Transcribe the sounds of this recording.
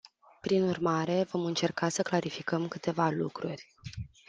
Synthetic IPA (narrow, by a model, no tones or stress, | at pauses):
pɾinurmaɾe̞vo̞mɨnt͡ʃe̞rkasəklaɾifikəmkɨt̪e̞valṵkɾurʲ